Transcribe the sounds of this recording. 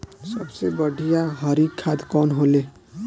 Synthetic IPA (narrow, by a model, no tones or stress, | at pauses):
sʌbsejbʌɖʱijaɦʌɾikʰːad̪kɔnɦole